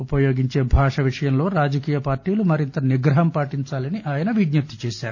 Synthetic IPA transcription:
upɐjo̞ːɡiɲt͡ʃe̞ːbʱaːʂɐʋiʂɐjɐmlo̞ːɾaːd͡ʒɐkiːjɐpaːɾʈiːlumɐɾint̪ɐniɡɾɐɦɐmpaːʈiɲt͡ʃaːlɐniʔaːjɐnɐʋiɡ̪nɐp̚t̪i̥t͡ʃeːʃaːɾu

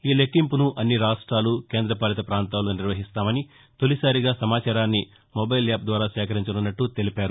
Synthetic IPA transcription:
iːlekːimpunuʔɐnːiɾaːʂʈɾaːlukeːnd̪ɾɐpaːlɐt̪̬ɐpɾaːnt̪aːluːniɾʋɐɦist̪aːmɐni | t̪olisaːɾiɡaːsɐmaːt͡ʃaːɾaːnːi | mobɐjlaːp̚d̪ʋaːɾaːʃɛːkɐɾiɲt͡ʃɐnunːɐʈːut̪e̞lipaːɾu

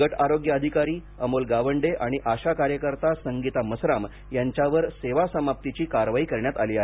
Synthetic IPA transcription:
əʈaɾoɡjəəd̪ʱikaɾiː | əmolɡaʋəɳɖeʔaɽ̃iʔaɕakaɾjəkəɾt̪asəŋɡit̪aməsɾam | jaɲt͡ɕjaʋəɾseʋasəmap̚t̪it͡ɕiːkaɾʋaɦiːkəɾɳjat̪aliːaɦe

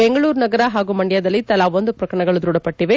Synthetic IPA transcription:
bɛŋɡɐɭuːɾnɐɡɐɾaɦaːɡumɐɳɖjaːd̪ɐlːit̪ɐlaːʋond̪upɾɐkɾɐɳɐɡɐɭud̪ɾuːɽɐpɐʈːiʋe

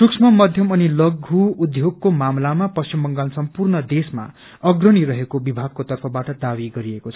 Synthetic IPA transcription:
suksʰmʌmʌd̪ʱjʌmʌnilʌɡʱuud̪ʱjoɡ̚komamlamapʌst͡ʃimbʌŋɡalsʌmpurnʌd̪esma̰ | ʌɡrʌɽ̃iɾʌɦekobibʱaɡ̚kot̪ʌrpʰʌbaʈʌd̪abiɡʌɾiekot͡sʰʌ̥

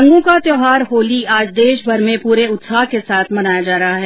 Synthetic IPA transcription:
ɐ̃ŋɡõkat̪joːɦaːɾɦoːliaːd͡ʒd̪eːʃbʱɐɾmẽpuːɾeʊt̪saːɦkesaːt̪ʰmɐnaːjad͡ʒaːɾɐɦaɦɛ

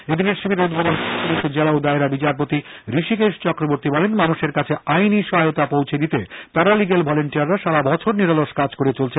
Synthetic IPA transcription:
ed̪ineɾʃibʱiɾeud̪ʱbʱod̪onʃipuliʃod͡ʑelaod̪aeɾabit͡ɕaɾp̬ot̪iɾiʃikeʃt͡ɕɔkɾoboɾt̪ibɔlenmanuʃeɾkat͡ɕʰeajniʃɔɦajot̪apowt͡ɕʰed̪it̪et̪aɾaliɡelbʱɔleɳʈiaɾːaʃaɾabɔt͡ɕʰoɾniɾaloʃkad͡ʑkoɾet͡ɕolt͡ɕʰe

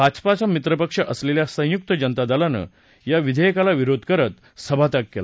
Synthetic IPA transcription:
bʱad͡ʑpat͡ɕamit̪ɾəpəkʂəʔəsleljasə̃juk̚t̪əd͡ʑənt̪ad̪ʱalanə̰ | jaʋid̪ʱəjəkalaʋiɾod̪ʱkəɾət̪ | səbʱat̪akːela

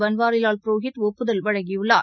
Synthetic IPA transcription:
ʋɐnʋaːɾɪlaːlpɪɾoːɣɪt̪ɔpːɯðɐlʋɐɻɐŋɡɪjɯɭːa̰ː

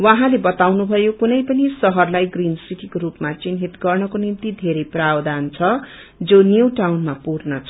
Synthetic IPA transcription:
wãɦãlebʌt̪awnubʱʌjokunʌjpʌnisʌɦʌrlajɡrinsiʈikoɾupmat͡sinɦit̪ɡʌrnʌkonint̪id̪ʱeɾʌjprawd̪ʱant͡sʰʌ | d͡zonjuʈawnmapurnʌt͡sʰʌ

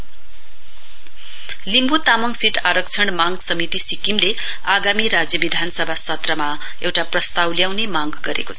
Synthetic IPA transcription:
limbut̪amʌŋɡsiʈʰaɾʌk̚t͡sʰʌɳmaŋɡsʌmit̪isikimle | aɡamiɾad͡zjʌbid̪ʱanʌsʌbʱasʌt̪rʌma | ewʈaprʌst̪awljawnemaŋɡɡʌɾḛkot͡sʰʌ

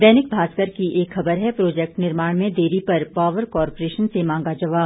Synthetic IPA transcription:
d̪ɛːnɪk̚bʱaːskəɾkiʔeːkxɐbəɾɦɛpɾoːd͡ʒɛk̚ʈnɪɾmaːɽ̃mẽd̪eːɾipɐɾpaːʋəɾkɔːɾpoɾeːʃənsemãːŋɡad͡ʒɐʋaːb

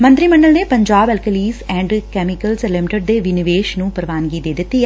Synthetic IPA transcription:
mə̃nt̪ɾiːmə̃ɳɖəlneːpə̃ɲd͡ʒaːbɛlkəliːzɛ̃ːɳɖkɛːmɪkəlzɛlɛmɪʈəɖ̚d̪eːʋɪnɪʋeːʃnũːpəɾʋaːnɡiːd̪eːd̪ɪt̪ːi

